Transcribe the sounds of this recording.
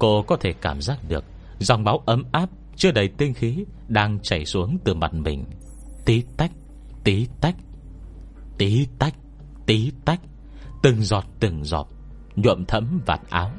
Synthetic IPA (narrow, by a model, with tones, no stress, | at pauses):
ko˧kɔ˨˦t̪ʰe˧˩kaː˧˩mzaː˦˥k̚ɗɨ˨˩ək̚ | za˨˧˩wŋ͡mɓaː˨˦wʔə˨˦mʔaː˦˥p̚ | t͡ɕɨ˦˥ək̚ɗə˨˧jt̪i˧nxi˨˦ | ɗaː˧ŋt͡ɕa˧˩jsu˨˦əŋt̪ɨ˨˩ma˨˩t̚mï˨˩ŋ̟ | t̪i˨˦t̪a˦˥jk̟̚ | t̪i˨˦t̪a˦˥jk̚ | t̪i˨˦t̪a˦˥jk̟̚ | t̪i˨˦t̪a˦˥jk̚ | t̪ɨ˨˩ŋzɔ˨˩t̚t̪ɨ˨˩ŋzɔ̰˨˩t̚ | ɲwṵ˧˨əmt̪ʰə̰˧˥mva̰ː˨˩t̚ʔaː˨˦w